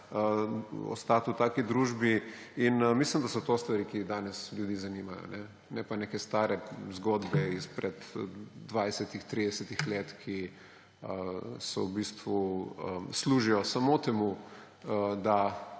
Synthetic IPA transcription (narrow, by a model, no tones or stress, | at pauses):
əɔ̰st̪aːt̪ut̪aːkid̪ɾuʒbiinmislimd̪asɔt̪ost̪ʋaɾikid̪aːnɛsljud̪iːzanimajɔ̰nɛ | nɛpanekɛst̪aːɾɛzɡoːd̪bɛispɾɛd̪d̪ʋajsɛt̪ixt̪ɾid̪ɛsɛt̪ixleːt̪kʰi | əsɔ̰wbist̪ʋuəsluːʒijɔsamot̪ɛmu | d̪a